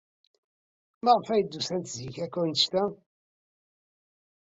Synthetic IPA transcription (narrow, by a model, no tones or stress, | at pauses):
məʁfæjd̪ːusænt̪ziçækːæwnsʃt̪æ